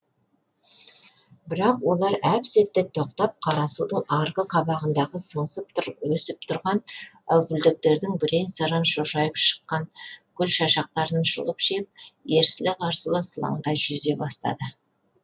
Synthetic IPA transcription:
bɪɾɑqwo̞lˠɑɾæpset̪ːɪt̪ʰo̞qt̪ɑp̚qʰɑɾɑsud̪əɴɑɾʁəqʰɑbɑʁənd̪ɑʁəsəɴəsəpt̪ʰʊɾwɵsɪp̚t̪ʰʊɾʁɑnæwɡɪld̪ɪk̚t̪e̞ɾd̪ɪŋbɪɾe̞nsɑɾənʃoʃɑjəpʃə̥qːɑŋkʲʰʏlʃɑʃɑq̚t̪ɑɾnʃə̰lˠəpʒep̚je̞ɾsɪlɪkɑɾsəlˠəsəlˠɑ̰ɴd̪ɑʒʏze̞bɑst̪ɑ̰d̪ə

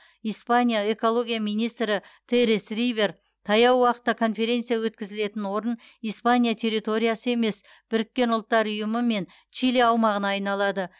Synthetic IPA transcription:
ijspanʲijae̞ko̞lˠo̞ɡʲijamijnijst̪ɾɪt̪ʰeɾisrijbe̞r | t̪ʰɑjɑwwɑqə̥t̪ːɑkʰo̞nfe̞ɾʲe̞nt̪sɨjawɵt̪̚kʲɪzɪle̞t̪ɪnwo̞ɾən | ijspanʲijat̪ʰe̞ɾijt̪o̞ɾʲijasəe̞me̞s | b̥ɪɾɪkʲːe̞nʊlˠt̪ːɑɾʊjəməme̞n | t͡ʃileɑwmɑʁənɑɑjnɑlˠɑd̪ə

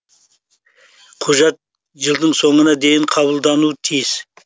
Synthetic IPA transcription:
qʰʊʒɑt̪̚ | ʒəlˠd̪əɴso̞ɴənɑd̪e̞jɪɴqʰɑβəlˠd̪ɑnut̪ʰijɪz̥

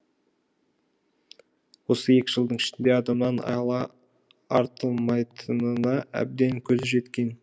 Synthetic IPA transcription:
wo̞səe̞kʲɪʒəlˠd̪əɴɪʃɪnd̪e̞ɑd̪ɑmnɑnɑ̰lˠɑ | ɑɾt̪əlˠmɑjt̪ʰənənɑæ̰b̚d̪e̞ŋkʲʰɵzʒe̞t̪kʲe̞n

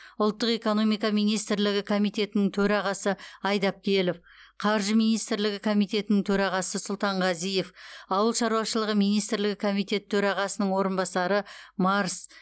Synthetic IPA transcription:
ʊlˠt̪ːəqe̞ko̞no̞mijkɑmijnijst̪ɾlɪɡʲɪkʰo̞mijt̪e̞t̪ɪnɪŋt̪ʰɵɾɑʁɑsəɑjd̪ɑp̚kʲʰe̞lef | qʰɑɾʒəmijnijst̪ɾlɪɡʲɪkʰo̞mijt̪e̞t̪ɪnɪŋt̪ʰɵɾɑʁɑsəsʊlˠt̪ɑɴʁɑzije̞fɑwəlˠʃɑɾuɑʃəlˠəʁəmijnijst̪ɾlɪɡʲɪkʰo̞mijt̪e̞t̪ʰːɵɾɑʁɑsənəɴwo̞ɾənbɑsɑɾəmɑɾs

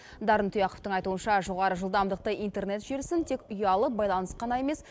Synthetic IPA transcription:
d̪ɑɾənt̪ʰʊjɑqəpt̪əɴɑjt̪uənʃɑʒo̞ʁɑɾəʒəlˠd̪ɑmd̪əq̚t̪ɑjijnt̪e̞rne̞t̪ʒeɾsɪnt̪ʰe̞kʊjɑlˠəp̚bɑjlˠɑnəsqɑnɑe̞mes

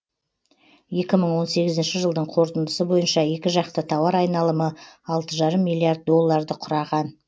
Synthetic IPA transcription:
je̞kʲɪməɴwo̞nse̞ɡʲɪzɪnʃɪʒəlˠd̪əɴqʰo̞ɾt̪ənd̪əsəbo̞jənʃɑje̞kʲɪʒɑqt̪ət̪ʰɑwɑɾɑjnɑlˠəməɑlˠt̪əʒɑɾəmːijlːˠijaɾd̪̚ːo̞lˠːɑɾd̪əqʰʊɾɑʁɑn

